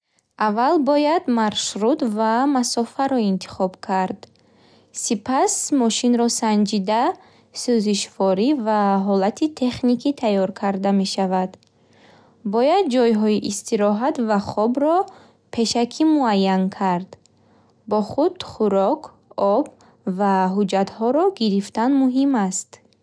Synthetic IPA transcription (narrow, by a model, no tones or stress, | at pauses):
avalbɔjad̪maɾʃɾut̪vamasɔfaɾɔint̪ʰi̥χɔbkʰaɾd̪ | sipʰasmɔʃinɾɔsand͡ʒid̪a | søziʃvɔɾivaɦɔlat̪ʰit̪ʰe̞χnikʰit̪ʰajɔɾkʰaɾd̪ame̞ʃavad̪ | bɔjad̪̚d͡ʒɔjɦɔiʔist̪ʰiɾɔɦat̪vaχɔbɾɔ | pʰe̞ʃakʰimuajːankʰaɾd̪ | bɔχud̪̥χuɾɔkʰ | ɔb | vaɦud͡ʒat̪hɔɾɔɡiɾift̪anmuɦimast̪